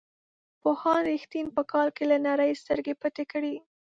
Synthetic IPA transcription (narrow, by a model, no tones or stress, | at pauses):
pohɑnɾixt̪inpəkɑlkelanaɾajst̪əɾɡepət̪ekɽi